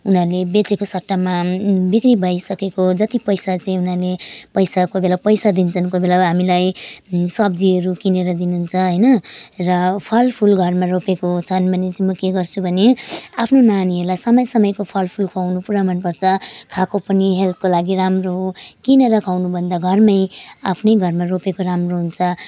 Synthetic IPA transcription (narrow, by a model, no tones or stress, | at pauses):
unʌrlebet͡sekosʌʈːamabikribʱʌjsʌkekod͡zʌt̪ipʌjsat͡saĩunʌrlepʌjsakobelapʌjsad̪int͡sʰʌnkobelaɦamilajsʌbd͡ziʌɾukineɾʌd̪inuɦunt͡sʰʌɦʌjnʌrʌpʰʌlpʰulɡʱʌrmaropekot͡sʰʌnbʱʌnet͡sãĩmʌkeɡʌrt͡sʰubʱʌneapʰnonaniɦʌɾulajsʌmʌjsʌmʌjkopʰʌlpʰulkʰawnupuɾamʌnpʌrt͡sʰʌkʰakopʌniɦelt̪̚kolaɡiɾamroɦokineɾʌkʰawnubʱʌnd̪aɡʱʌrmʌjapʰnʌjɡʱʌrmaropekoramroɦunt͡sʰʌ